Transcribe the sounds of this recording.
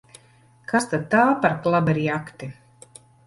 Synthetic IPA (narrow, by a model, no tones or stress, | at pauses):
kast̪ad̪̚t̪aːpaɾklˠabɛɾiːakt̪i